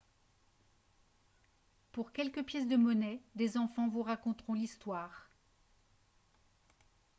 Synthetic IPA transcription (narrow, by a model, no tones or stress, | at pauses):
puʁkʲɛlkəpjɛs̬d̪əmɔnɛd̪ezɑ̃fɑ̃vuʁakɔ̃t̪χɔ̃list̪waːʁ